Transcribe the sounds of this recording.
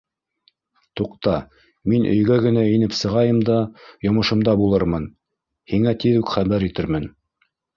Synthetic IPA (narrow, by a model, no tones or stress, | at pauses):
t̪uqt̪ɑ | minʔɵ̆jɡæɡɘ̆næinɘpsɤ̆ʁɑjɤmd̪ɑjŏmɤ̆ʃɤ̆md̪ɑbulˠɤɾmɤn | hiŋæt̪iðʉkχæβæɾit̪ɘɾmɘn